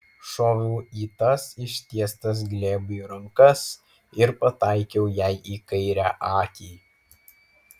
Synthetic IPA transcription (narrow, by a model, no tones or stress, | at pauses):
ʃoːʋʲuːiːt̪ɐsɪʃʲt̪ʲiɛst̪ɐs̬ɡlʲeːbʊjuɾɐŋkɐs | ɪɾpɐt̪ɑˑɪkʲɛʊjæɪʔiːkɐɪɾʲæʔɑːkʲiː